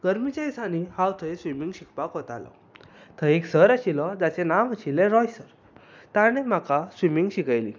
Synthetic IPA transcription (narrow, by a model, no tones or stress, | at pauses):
ɡ̥əɾmit͡ɕaisãnihãwt̪ʰəesʋimiŋɡɕikpakɦot̪alɔ̰ | t̪ʰəeksəɾaɕilɔd͡zat͡senamaɕilẽɾɔjsəɾ | t̪añem̤akasʋimĩŋɡɕikajlḭ